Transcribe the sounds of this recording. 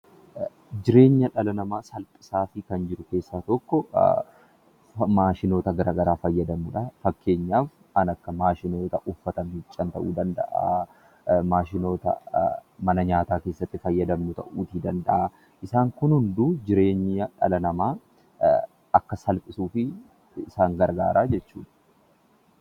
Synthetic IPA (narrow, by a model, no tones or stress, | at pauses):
d͡ʒɪɾe̞ːɲːɐᶑɐlɐnɐmaːsɐlpʼɪ̥saːfɪkɐnd͡ʒɪɾʊke̞ːsːaːt̪ɔkːɔ | maːʃɪno̞ːt̪ɐɡɐɾaːɡɐɾaːfɐjːɐd̪ɐmʊᶑɐfɐkːe̞ːɲːaːf | ɐnɐkːɐmaːʃɪnoːt̪ɐʔʊfːɐt̪ɐmit͡ʃʼːɐnt̪ɐʔuːd̪ɐnd̪ɐ̰ʔa̰ː | maːʃɪnoːt̪ɐ̰mɐnɐɲaːt̪aːke̞ːsːɐt̪ːɪfɐjːɐd̪ɐmːʊt̪ɐ̰ʔuːt̪iːd̪ɐnd̪ɐ̰ʔaː | ʔɪsaːŋkʊnhʊnd̪uːd͡ʒɪɾe̞ːɲːɐᶑɐ̰lɐnɐmaː | ɐkːɐsɐlpʼɪsuːfɪ | ɪsaːŋɡɐɾɡa̰ːɾaːd͡ʒɛt͡ʃːṵːᶑɐ̥